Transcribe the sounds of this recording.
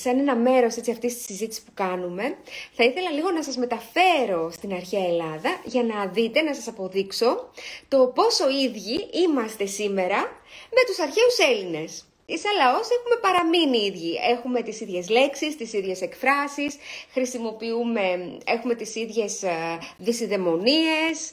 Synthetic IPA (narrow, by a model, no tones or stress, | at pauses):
sɐne̞nɐme̞ɾo̞se̞t͡siɐft̪ist̪i̥sizit̪isi̥spukɐnume̞θɐiθe̞lɐliɣo̞nɐsɐzme̞t̪ɐfe̞ɾo̞st̪inɐɾçiɐelɐðɐʝɐnɐðit̪e̞nɐsɐsɐpo̞ðikso̞t̪o̞po̞so̞iðʝiimɐst̪esime̞ɾɐme̞t̪usɐɾçe̞use̞line̞s | isɐlɐo̞se̞xume̞pɐɾɐminiiðʝie̞xume̞t̪isiðʝe̞zle̞ksist̪isiðʝe̞se̞kfɾɐsisxɾisimo̞piume̞exume̞t̪isiðʝe̞zðisiðe̞mo̞nie̞s